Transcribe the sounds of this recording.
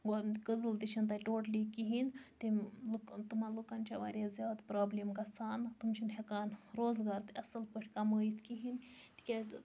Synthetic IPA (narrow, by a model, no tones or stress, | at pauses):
ɡɡəd̪ɨlt̪it͡ʃʰint̪ɐʈoːʈlikiɦint̪ilukt̪umanlukɐnt͡ʃaʋa̰ːɾʲjazʲjaːd̪pɾaːblimkɐsʰaːnt̪umt͡ʃʰinɦekaːnɾoːzɡaːɾt̪ɨɐsɨlpəʈʰʲkɐməːit̪kiɦint̪i̥kʲa